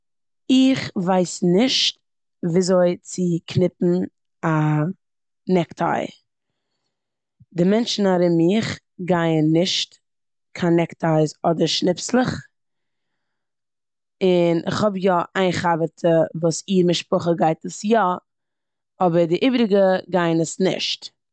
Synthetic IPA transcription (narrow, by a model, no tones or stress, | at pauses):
ɪχvaɪsnɪʃt̚ | viːzoɪt͡sɪkʰnɪpn̩ | a | nɛktʰa̰ɪ | dɪmɛnt͡ʃn̩aɾɪmɪχ | ɡaɪənːɪʃt | kʰanɛktʰaɪzɔdəɾʃnɪpslˠəχ | ɪnʔɪ̰χhɔbjɔʔaɪnχavətʰəvuːsiːɾmɪʃpʊχəɡaɪtəsjɔ | ɔbəɾdɪʔiːbɾɪɡəɡaɪnəsnɪ̰ʃt